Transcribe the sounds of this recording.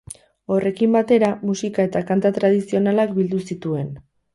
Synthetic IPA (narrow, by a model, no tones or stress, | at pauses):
o̞re̞kimbat̪e̞ɾamusikae̞t̪akant̪at̪ɾað̞isio̞nalakbild̪usit̪ue̞n